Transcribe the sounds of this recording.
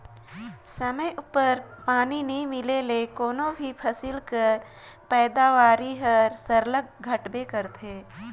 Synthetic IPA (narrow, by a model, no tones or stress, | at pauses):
sɐməjʔʊpəɾpaːninɐɦĩmɪlelekoːnobʱipʰɐsɪlkəɾ | pɛːd̪aːʋaːɾiɦəɾsəɾləɡ̚ɡʱəʈbekəɾt̪ʰeː